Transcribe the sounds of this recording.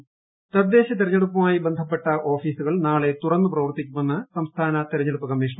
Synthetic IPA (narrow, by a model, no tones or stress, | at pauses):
t̪ɐd̪ːe̞ːɕɐt̪̬iɾɐɲːeɽupːɐmaːjibend̪ʱɐpːe̞ʈːɐʔo̞ːfiːsuɣɐɭnaːɭe̞t̪urɐnːɨprɐʋɐrt̪ikʲːumunːɐsɐmst̪ʰaːnɐt̪iɾɐɲːeɽupːɐkɐmːiːʂɳɐ